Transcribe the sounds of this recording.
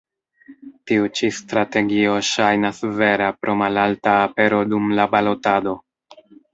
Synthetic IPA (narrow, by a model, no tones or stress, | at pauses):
tiut͡ʃistɾate̞ɡio̞ʃajnasve̞ɾapɾʔo̞malaltaːpe̞ɾo̞dumlabalo̞tado̞